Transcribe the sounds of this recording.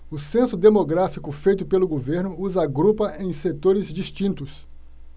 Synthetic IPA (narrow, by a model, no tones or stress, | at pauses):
ʊsẽsʊd̪emoɡɾafikʊfejt̪ʊpelʊɡoveɾnʊːzaɡɾupɐʔẽj̃set̪oɾɪzd͡ʒist͡ʃĩnt̪ʊs